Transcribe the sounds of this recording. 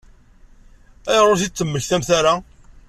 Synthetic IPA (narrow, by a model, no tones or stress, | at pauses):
æjɾˤʊθit͡sːəmːəçθæmθæɾa